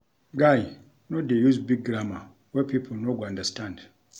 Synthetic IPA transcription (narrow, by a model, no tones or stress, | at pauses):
ɡaj | nodejuzbiɡ̚ɡɾama | wɛpʰipʰol̩noɡãndəstʰãnd